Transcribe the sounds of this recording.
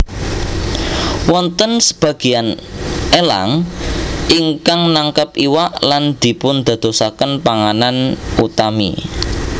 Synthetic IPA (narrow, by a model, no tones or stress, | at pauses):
wɔnt̪ənsə̥b̥ä̤ɡ̥ianʔela̰ŋ | ʔiŋkaŋnaŋkəpiwaʔland̪̥i̤pʊnd̪̥a̤d̪̥o̤sakənpaŋananut̪amḭ